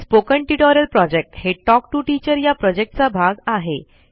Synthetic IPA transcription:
spokəɳʈiʈɔɾəlpɾɔd͡ʑek̚ʈheʈɔk̚ʈuʈit͡ɕəɾjapɾɔd͡ʑek̚ʈ̚t͡sabʱaɡaɦe

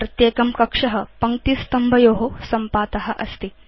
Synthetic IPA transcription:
ɾɐt̪jeːkɐmkɐkʂɐɦɐ̆pɐŋkt̪iːst̪ɐmbʱɐjoːɦosɐmpaːt̪ɐɦɐ̆ʔɐst̪i

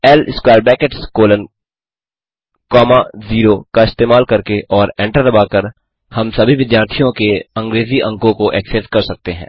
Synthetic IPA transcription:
ɛlskwaːɾbɛːkeʈskoːlən | kɔːmaziːɾokaɪst̪eːmaːlkɐɾkeʔɔːɾɛ̃ːɳʈəɾɾɐbaːkɐɾ | hɐmsɐbʱiʋɪd̪jaːɾt̪ʰijõkeɐ̃ŋɡɾeːziʔɐ̃ŋkõkoʔɛːksɛskɐɾsɐk̚t̪eɦɛ̰̃ː

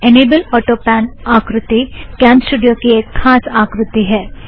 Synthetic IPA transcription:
eneːbəlɔːʈopɛːnaːkɾʊt̪ikɛ̃ːnsʈuːɖijokieːkxaːsaːkɾʊt̪iɦɛː

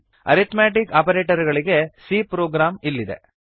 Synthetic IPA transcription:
ɐ̰ɾit̪maːʈ̬ikaːpɐɾeːʈɐɾɡɐɭiɡe̞siːpɾoːɡɾaːmilːid̪ḛ

